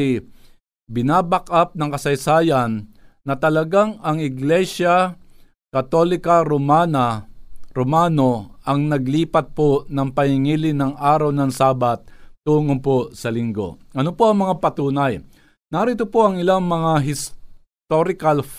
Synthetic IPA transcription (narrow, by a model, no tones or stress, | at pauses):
j | bɪnaːbɐkʔap̚nɐŋkɐsɐjsaːjɐnː | ɐt̪ɐlɐɡaŋɐŋɪɡlɛʃa | kɐt̪olɪkɐɾomaːnɐɾomaːno̞ʔɐŋnɐɡliːpɐt̪̚ponɐŋpɐŋɪŋiːlɪnɐŋʔaːɾɐwnɐŋsaːbat̪̚ːuːŋoŋposɐlɪŋɡo̞̰ʔɐnopoɐŋmɐŋapɐt̪uːnɐj | naɾit̪opoʔɐŋɪlaŋmɐŋaɦɪs | t̪oɾɪkɐl